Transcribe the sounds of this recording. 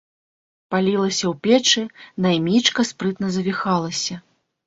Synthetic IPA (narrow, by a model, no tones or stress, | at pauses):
palʲilˠɐsʲɐwpʲɛt͡ʂɨnajmʲit͡ʂkɐspɾɨt̪nɐzɐvʲixalˠɐsʲɐ